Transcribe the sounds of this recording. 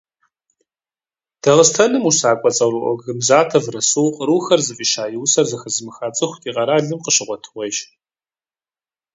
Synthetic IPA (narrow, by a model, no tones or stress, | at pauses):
d̥ɐʁəstʰɐnɨmusaːkʷʼɔt͡sʼɐwrɨʔʷɔ̰ɡɨmzaːtʰɐvrɐsuwqʼəɾuːxɐrzɨfʼiːʃaːjɪwsɐrzɐxɐzɨmɨxaːt͡sʼɨxʷtʰʼiːqʼɐɾaːɮɨmqəɕɪʁʷɔtʰɨʁʷejʃ